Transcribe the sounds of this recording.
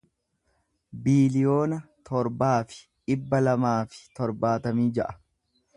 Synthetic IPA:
biːlɪjo̞ːnɐt̪ʰɔɾbaːfɪ̥ | ᶑɪbːɐlɐmaːfɪ̥t̪ɔɾbaːt̪ɐmiːd͡ʒɐʔɐ̥

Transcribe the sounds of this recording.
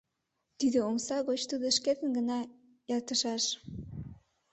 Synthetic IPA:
t̪id̪ə̆omsɑɣot͡ɕt̪udðə̆ʃket̪ə̆nɡə̆nɑ | jɑt̪ə̆ʃɑʃ

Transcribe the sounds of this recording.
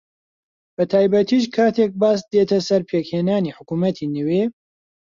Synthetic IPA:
b̥ɐt̪ʰaːjbɐt̪ʰiːʃ̬kʰaːt̪ʰek̚baːsd̪et̪ʰɐsɐɾpʰeːkheːnaːniħʊkumɐt̪ʰiːnɨwe

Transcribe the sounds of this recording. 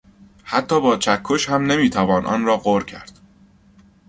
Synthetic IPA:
hæt̪ʰːɒːbɒːt͡ʃʰækʰːoʃhæmne̞miːt̪ʰævɒːnʔɒ̰ːnɾɒːɢoɾcʰæ̰ɾd̪̥

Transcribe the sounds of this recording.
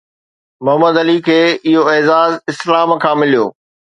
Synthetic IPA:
mʊɦəməd̪ɐlikʰeːɪɦoeːzaːzɪslaːmkʰãːmɪlijo̰ː

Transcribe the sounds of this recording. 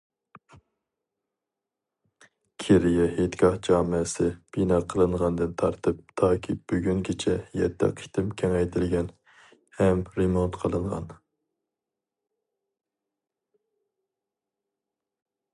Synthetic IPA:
kʲʰeɾɪjɛhet̪ɡʲɑhd͡ʒɑːmɨsɪb̥inɑːqʰəlˠɨɴʁɑnd̪ɨnt̪ʰɑɾt̪ʰɨp̚t̪ʰɑːkʲʰib̥yɡʲyŋkʲʰit͡ʃʰɛjɛ̰t̪ʰːɛ̰qʰi̥t̪ʰɪmkʲʰɛŋɛjt̪ʰɪlɡʲɛn | hɛmɾemont̪qʰəlˠɨɴʁɑ̰n

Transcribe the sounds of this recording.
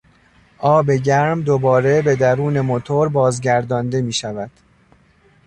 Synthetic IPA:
ʔɒːbe̞ɟæɾmd̪o̞bɒːɾe̞be̞d̪æɾuːne̞mo̞t̪ʰoɾbɒːzɟæɾd̪ɒːnd̪e̞miːʃævæd̪̥

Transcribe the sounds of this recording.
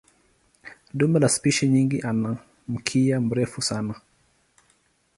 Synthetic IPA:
ɗumbɛlaspiʃiɲiŋɡiʔana | m̩kʰiam̩ɾɛfusana

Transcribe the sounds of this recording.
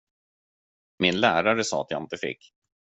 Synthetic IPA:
mɪnlæːɾaɾəsɑ̰ːat̪ja̰ɪnt̪əfɪ̰kː

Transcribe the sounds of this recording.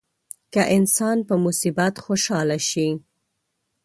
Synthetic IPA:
kaʔɪnsɑnpəmusibat̪xoʃɑlaʃi

